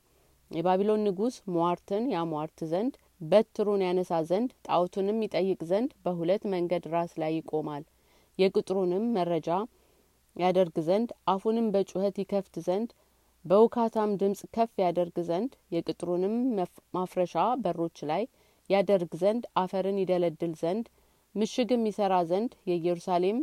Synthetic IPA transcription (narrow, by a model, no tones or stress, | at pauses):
jɛbaβilo̞nːɨɡusmwaɾt̪ʰɨnjamaɾt̪ʰɨzənd̪ | bət̪ʰːɨɾunjanəsazənd̪t̪ʼawt̪ʰunɨmjɪt̪ʼəjːɨkʼzənd̪bəɦulət̪ːməŋɡəd̪ɾaslajːɪkʼo̞mal | jɛkʼɨt̪ʼɾunɨmːəɾːəd͡ʒa | jad̪əɾɡzənd̪ʔahunɨmbət͡ʃʼuhət̪jɪkʰəft̪zənd̪ | bəwɨkʰat̪ʰamd̪ɨmsʼkʰəfːjad̪əɾɡzənd̪jɛkʼɨt̪ʼɾunɨmmafɾəʃabərːo̞t͡ʃːlajː | ad̪əɾɡzənd̪ʔafəɾɨnjɪd̪ələd̪ːɨlzənd̪ | mɨʃɪɡɨmːisəɾazənd̪jɛjɛɾusale̞m